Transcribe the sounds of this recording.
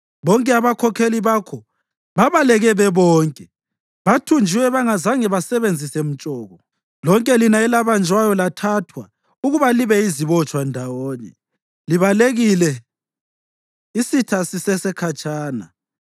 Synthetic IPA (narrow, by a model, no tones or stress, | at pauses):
βɔŋkʼɛaβakʰɔkʰeliβakʰɔ | βaβalɛɣɛβɛβɔːŋkʼɛ | βatʰund͡ʒʱiwɛβaŋazaŋɛβasɛβend͡zʱisɛm̩t͡ʃʼɔːɣɔ | lɔŋkʼɛlinaɛlaβand͡ʒʱwajɔlatʰatʰwa | uɣuβaliβɛiziβɔt͡ʃʼwandʱawɔːnɛ̰ | liβaleɣilɛ | isitʰasisɛsɛkʰat͡ʃʼaːna̰